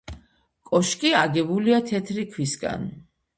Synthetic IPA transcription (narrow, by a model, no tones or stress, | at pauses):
kʼɔʃkʼiaɡɛbuliat̪ʰɛt̪ʰɾikʰwisɡa̰n